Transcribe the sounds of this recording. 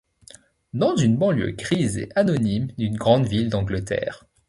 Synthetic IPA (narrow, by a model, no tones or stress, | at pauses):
d̪ɑ̃zynbɑ̃ljø̰ɡʁizḛʔanɔnimd̪ynɡʁɑ̃d̪vild̪ɑ̃ɡlət̪ɛ̰ːʁ